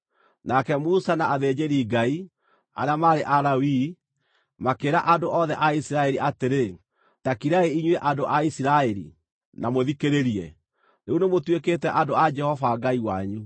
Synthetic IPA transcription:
nakɛmusanaaðeːd͡ʑeɾiːɡai | a̰ɾeamaɾeʔaɾawi | makeːɾaʔadoʔɔðɛʔaisiɾaɛɾiʔateɾe | takiɾaeiɲweʔadoʔaisiɾaɛɾḭ | namoðikeɾeɾiɛ | neunemotwekeːtɛʔadoad͡ʒɛhɔvaɡaiwaɲu

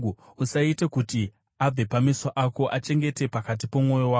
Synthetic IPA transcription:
usaitekuti | ab͡vepamisaʔako̞ʔat͡ʃe̞ŋɡe̞te̞pakat̬ipomŋo̞jowao

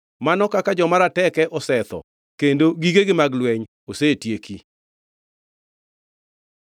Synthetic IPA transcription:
manɔkakad͡ʒɔmaɾatɛkɛʔɔsɛt̪ɔ̰ | kendoɡiɡeɡɪmaɡlwɛɲ | osetjeki

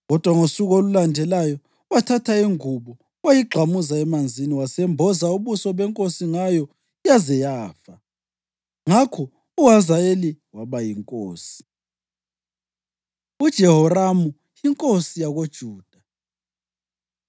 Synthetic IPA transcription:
ɣɔd̥ʱwaŋosuɣolulandʱɛlajɔ | watʰatʰaiŋuβu | wajiɡ͡ǃʱamuzaɛmand͡zʱiniwasɛmbʱɔzauβusɔβɛŋkʼosiŋajɔ | jazɛjaːfa | ŋakʰɔ | uɦazaeliwaβajiŋkʼoːsi̥ | ud̥ʒ̥ʱɛhɔramu | iŋkʼosijaɣod̥ʒ̥ʱuːd̥ʱa

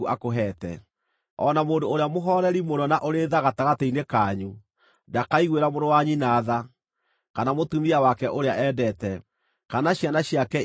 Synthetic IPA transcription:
uʔakoɦɛtɛ̰ | ɔnamoːndoːɾeamoɦɔɾɛɾimonɔnaʔoɾeðaɣataɣateinekaːɲu | dakaiɣweɾamoɾowaɲinaːða | kanamotumiawakɛʔoɾeaʔɛːdɛtɛ | kanaɕjanaɕjakɛ

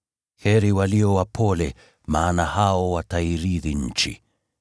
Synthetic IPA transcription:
hɛɾiwaliɔwapʰɔlɛ | maːnahaɔwataiɾiðiɲ̩t͡ʃḭ

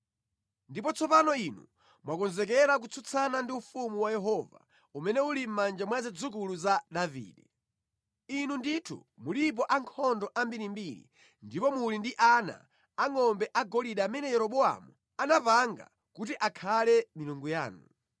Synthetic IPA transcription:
ndipɔt͡sʰɔpanɔinṵ | mwakɔnzɛk̬ɛɾak̬ut͡sʰut͡sʰanandiufumuwajɛɦɔva̰ | umɛnɛulim̩mand͡ʒamwazɛd͡zukuluzaɗavḭːɗɛ | inunditʰṵmulip̬ɔʔaŋkʰɔndɔʔambiɾimbiɾḭ | ndipɔmulindiʔana̰ː | ŋɔmbɛʔaɡɔliɗaːmɛnɛjɛɾɔɓɔa̰mu | anapaŋɡa̰ | kutiʔakʰalɛmiluŋɡuja̰ːnu

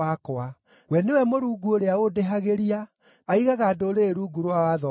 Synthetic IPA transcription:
akoa | wɛnewɛmoɾuːɡuoɾeaodeɦaɣeɾiaː | iɣaɣaːdoɾeɾuɡuɾowawaðɔ

